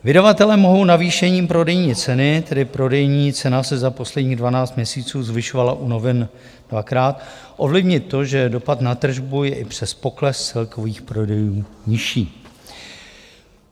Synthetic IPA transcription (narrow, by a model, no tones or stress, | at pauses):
vɪdavat̪ɛlɛːmoɦo̞wnaviːʃɛɲiːmpɾo̞dɛjɲiːt͡sɛnɪt̪ɛdɪpɾo̞dɛjɲiːt͡sɛnasɛzapo̞slɛdɲiːɣdvanaːt͡st̪mɲɛsiːt͡suːzvɪʃovalaʔuno̞vɪn | d̥vakɾaːt̪ | ʔo̞vlɪvɲɪt̪ːo̞ʒɛdo̞pat̪nat̪r̩ʒbujɛʔɪpr̝̥ɛspo̞klɛst͡sɛlko̞viːxpɾo̞dɛjuːɲɪʃiː